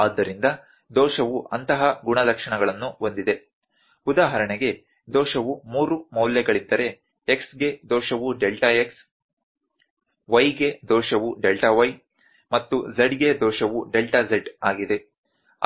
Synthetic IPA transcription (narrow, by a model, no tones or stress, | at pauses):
aːd̪ːɐɾind̪ɐ | d̪ɔːʃɐʋuʔɐnt̪ɐɦɐɡuɳɐlɐkʂɐɳɐɡɐɭɐnːuo̞nd̪id̪e̞ | ud̪aːɦɐɾɐɳeɡe̞ | d̪ɔːʃɐʋumuːɾumɐwljɐɡɐɭid̪ːɐɾe̞ | eksɡe̞d̪ɔːʃɐʋuɖelʈɐeks | ʋɐjɡe̞d̪ɔːʃɐʋuɖe̞lʈɐʋɐj | mɐt̪ːuzɐɖɡed̪ɔːʃɐʋuɖe̞lʈɐzeɖaːɡid̪e̞